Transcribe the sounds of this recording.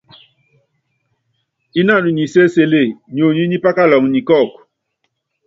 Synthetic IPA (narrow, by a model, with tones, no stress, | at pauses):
i˦na˦˨nu˨ɲi˨se˦se˦le˦˨ɲ˨o˨ɲi˦ɲi˦pa˦ka˦lɔ˨ŋ˨ɲi˨kɔ˦˨k